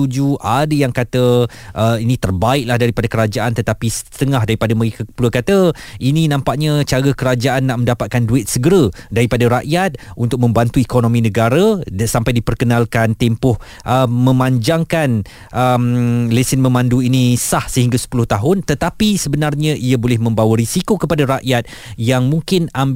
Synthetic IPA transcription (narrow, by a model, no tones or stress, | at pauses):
ud͡ʒuʔadəjaŋkat̪ə | ʔəinĩt̪ərbaɪk̚lahdaɾipadakəɾad͡ʒaʔant̪ət̪apisət̪əŋaɦdaɾipadaməɾikapluəkat̪əinĩnãmpaʔɲat͡ʃaɾəkəɾad͡ʒaʔanːaʔmə̃ndapat̪̚kanduɪt̪̚səɡəɾədaɾipadaɾaʔjat̪̚unt̪ʊk̚mə̃mbant̪uekonõmĩnəɡaɾasampajdipərkənalkant̪ɛmpʊh | ʔəmːə̃mãɲd͡ʒaŋkan | ʔəmlesɪnmə̃mãnduinĩsahsəɦiŋɡasə̥pulʊht̪aɦʊnt̪ət̪apisəbənarɲãʔiabolɛhmə̃mbawəɾisikokəpadaɾaʔjat̪̚ | jaŋmũŋkɪnam